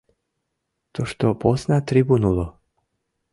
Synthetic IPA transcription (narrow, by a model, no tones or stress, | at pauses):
t̪oʃt̪opoznat̪ɾibunulo